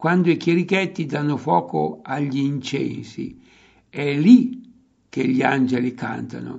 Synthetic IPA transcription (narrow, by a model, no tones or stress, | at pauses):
kwand̪oikjeɾikɛt̪ːid̪anːofwɔːko̰aʎːiːnt͡ʃɛ̰nsḭ | ɛli | kːeʎːiand͡ʒelika̰nt̪a̰no̰